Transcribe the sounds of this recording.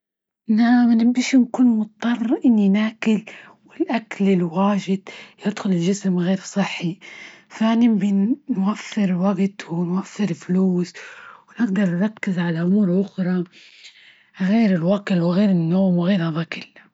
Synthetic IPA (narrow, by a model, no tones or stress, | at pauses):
namnɪbiʃinkuːnmʊt̪t̪ˤːɑrˤʔɪnːinaːkɪl | wɪlʔaklɪlwaːʒɪd̪jɪd̪xʊlɪlʒɪsmɣeːɾsˤɨħːifanɪmbinnwafːɪɾwaɡt̪ʊnwafːɪɾɪlfluːswnɪɡ̚d̪ɑɾˤnɾˤɑkːɪzʕalaʔʊmuːɾʔʊxɾˤɑ | ɣeːɾɪlwaɡɪlwɪɣeːɾɪnːoːmwɪɣeːɾhɑðˤɑkɪl